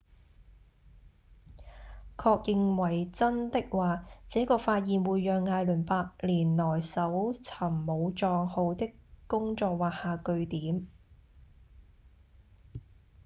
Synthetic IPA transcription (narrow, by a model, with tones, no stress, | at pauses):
kʰɔː˧k̚jɪ˨˧ŋwɐ˨˩jt͡sɐ˥nt̪ɪ˥k̚waː˨˧t͡sɛː˨˥kɔː˧faː˧t̚jiː˨nwuː˨˧jːœː˨ŋːaː˧jlɵ˨˩npaː˧k̚liː˨˩nlɔː˨˩jsɐ˨˥wt͡sʰɐ˨˩mːo˨˧wt͡ʃɔː˧ŋho˨˧wt̪ɪ˥kkʊ˥ŋt͡sɔː˧k̚waː˨haː˨kɵ˧ɥt̪iː˨˥m